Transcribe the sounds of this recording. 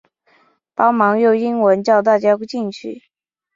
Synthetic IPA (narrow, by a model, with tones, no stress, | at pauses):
pɑ˥ʊmɑ˧˥ŋjo˥˩ʊi˥ŋwə˧˥nt͡ɕjɑ˥˧ʊt̪a˥˩t͡ɕja˥ku˥t͡ɕi˥˩ŋt͡ɕʰy̰˥˩